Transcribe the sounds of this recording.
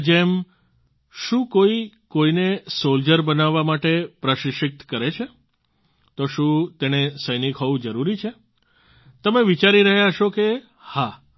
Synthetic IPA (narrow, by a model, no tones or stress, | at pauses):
d͡ʒem | ʃũkoikoinesold͡ʒəɾbənaʋːamaʈepɾəʃɪʃɪk̚t̪kəɾet͡ʃʰe | t̪oʃũt̪enesəjnikɦɔʋũd͡ʒəɾuɾit͡ʃʰe | t̪əmeʋit͡ʃaɾiɾəɦjaʃoke | ha